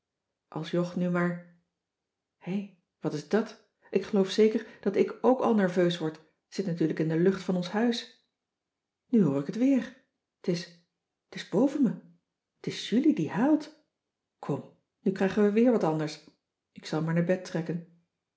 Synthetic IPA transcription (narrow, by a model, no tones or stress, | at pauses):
ʔɑ̰lˠsjɔχnymaːɹ | hej | ʋɑtɪzdɑt | ʔɪkχəlowfsejkəɹd̥ɑtɪkowkɑ̰lˠnɛɹvøɥsʋɔɹt | z̥ɪtnatyːɹləkɪndəlɵχtfɑnɔnsɦœɥs | nyɦʊːɹɪkətʋɪːɹ | tɪs | tɪzbowvənmə | tɪsjylidiɦaːlˠt | kʰɔm | nykrɛjχənʋəʋɪːɹʋɑtɑndəɹs | ʔɪksɑlˠmaːɹnaːɹbɛtrɛkən